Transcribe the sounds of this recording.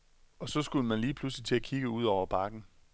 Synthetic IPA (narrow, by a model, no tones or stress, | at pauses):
ɒ̽sɒ̽sɡ̥uləmænliːpʰluslit͡sʰe̝lækʰiɡ̥əuð̞ˠɒʊ̰ɐb̥ɑ̈ɡ̥n̩